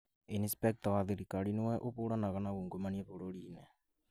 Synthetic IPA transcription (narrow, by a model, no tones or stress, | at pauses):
inspɛk̚tawaðiɾikaɾinowɛʔoβoɾanaɣanaɣuːŋɡomaniɛβoɾoɾiːnɛ